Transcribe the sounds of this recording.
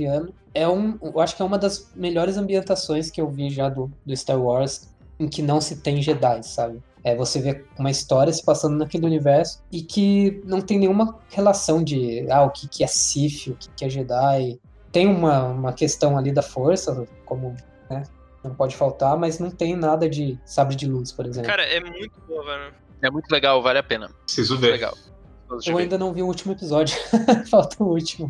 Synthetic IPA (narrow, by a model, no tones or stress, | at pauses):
liɐ̃nʊ | ɛũewaʃʊ̥kɪɛũmɐd̪ɐzmeʎɔɾɪzɐ̃mbiẽnt̪asõj̃skɪewviʒad̪ʊd̪ʊɪst̪aɾwɔɾz | ẽkɪnɐ̃w̃sɪt̪ẽj̃ʒed̪ajsabɪ | ɛvoseveũmɐist̪ɔɾiɐsɪ̥pasɐ̃nd̪ʊnɐkelɪunivɛɾsʊ̥ɪkʰɪnɐ̃w̃t̪ẽj̃nẽj̃ũmɐhelasɐ̃w̃d͡ʒɪaʊkʰɪkʰɪɛsifɪʊkɪ̥kɪɛʒed̪aj | t̪ẽj̃ũmɐũmɐkest̪ɐ̃w̃alid̪ɐfoɾsɐ | kõmʊ | nɛ | nɐ̃w̃pɔd͡ʒɪfawt̪aɾmɐznɐ̃w̃t̪ẽj̃nad̪ɐd͡ʒɪsabɾɪd͡ʒɪluspoɾezlẽkpkaɾɐɛmũj̃t̪ʊbovɐnɐ̃ | ɛmũj̃t̪ʊleɡawvalɪapẽnɐpɾsizʊveɾleɡa̰w | t̪od̪ewaĩnd̪ɐnɐ̃w̃viʊut͡ʃimʊepizɔd͡ʒjʊfawt̪ɐut͡ʃimʊ